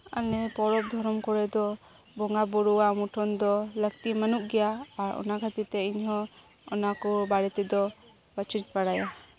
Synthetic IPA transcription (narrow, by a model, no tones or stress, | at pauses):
alɛpɔɽɔp̚d̪ʱɔɾɔmkɔɽɛd̪ɔ | bɔŋɡabɔɽuwamuʈʰɔnd̪ɔləɡ̚t̪imanuʔɡɛjaaɾɔ̰nakʰat̪it̪ɛiɲɦɔ̃ | ɔnakɔbaɽɛt̪ɛd̪ɔ | bət͡ʃɾit̪̚paɽaja